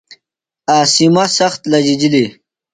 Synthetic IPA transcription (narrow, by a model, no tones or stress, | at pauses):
aːsimɐsɐxt̪lɐd͡ʑid͡ʑili